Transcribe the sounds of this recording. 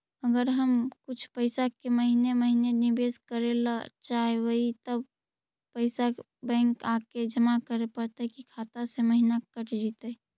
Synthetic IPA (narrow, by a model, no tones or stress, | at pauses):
əɡəɾɦəmkʊt͡ʃʰpəɪsakeməɦineməɦinenɪbeːskəɾelt͡ʃaːewəɦit̪əb | pəɪsa | bɛ̃ːŋkaːked͡ʒəmakəɾepəɾt̪eɦɛkikʰaːt̪aseməɦinakəʈʰd͡ʒit̪ː